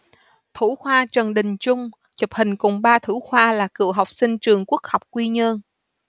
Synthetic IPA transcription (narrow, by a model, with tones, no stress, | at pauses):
t̪ʰu˧˩xwaː˧t͡ɕə˨˩nɗï˨˩ŋ̟t͡ɕʊ˧ŋ͡m | t͡ɕə˨˩p̚hï˨˩ŋ̟kʊ˨˩ŋ͡mɓaː˧t̪ʰu˧˥xwaː˧laː˨˩kɨ̰˧˨əɦa˨˩wk͡p̚sï˧ŋ̟t͡ɕɨ˨˩əŋku˦˥ək̚ha˨˩wk͡p̚kwi˧ɲə˧n